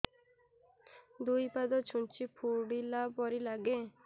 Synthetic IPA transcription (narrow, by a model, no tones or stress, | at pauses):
d̪ujpad̪ɔt͡ʃʰunt͡ʃʰipʰuɽilaɔɾilaɡe